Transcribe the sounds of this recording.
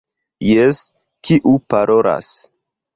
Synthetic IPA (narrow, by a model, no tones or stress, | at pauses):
jes | kiʔupaɾʔo̞ɾa̰s